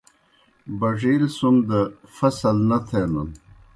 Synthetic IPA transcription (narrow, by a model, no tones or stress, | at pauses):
bɐʐiːlsumd̪əfɐsɐlnɐt̪ʰelɐn